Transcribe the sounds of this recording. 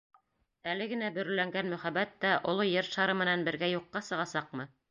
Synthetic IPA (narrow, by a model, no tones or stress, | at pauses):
ælɘɡɘ̆næbɵ̆ɾɵ̆læŋɡænmɵ̆χæbæt̪ːæʔŏlˠojɘɾʃɑɾɤmɘ̆nænbɘ̆ɾɡæjuqːɑsɤ̆ʁɑsɑqmɤ